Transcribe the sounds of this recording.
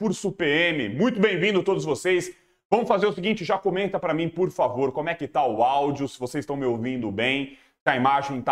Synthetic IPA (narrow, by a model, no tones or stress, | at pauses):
pʊɾsupeẽmɪmũj̃t̪̬ʊbẽj̃vĩnd̪ʊat̪od̪ʊz̬vosejs | vɐ̃mʊfazeɾʊsɪɡĩnt͡ʃɪʒakomẽnt̪ɐpɾɐmĩpoɾfavoɾkõmʊɛkɪt̪aʊawd͡ʒɪʊsɪvosezɪst̪ɐ̃w̃mɪowvĩnd̪ʊbẽj̃ | t̪aimaʒẽj̃t̪a